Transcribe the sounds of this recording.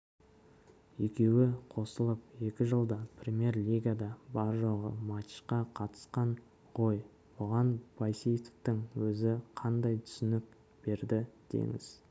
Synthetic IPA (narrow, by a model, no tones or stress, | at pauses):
ekʲe̞wɪqʰo̞səlˠəp̚je̞kʲɪʒəlˠd̪ɑpʰrʲemʲe̞ɾlʲiɡad̪ɑbɑɾʒoʁə̰mɑt̪ʃqɑqʰɑt̪ə̥sqɑɴ | ʁo̞j | bʊʁɑnb̥ɑjsijt̪ə̥t̪əŋwɵzɪqʰɑnd̪ɑjt̪ʰʏ̥sɪnɪk̚ | b̥e̞ɾd̪ɪd̪̥ḛŋɪ̰z̥